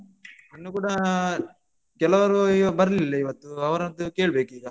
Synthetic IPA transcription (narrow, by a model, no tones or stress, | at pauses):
ɐnːukuːɽɐ | kɛlɐʋɐɾubɐɾɐlilːɐiʋɐt̪ːuɐʋɐɾɐnd̪uke̞ːɭbe̞ːkiːɡɐ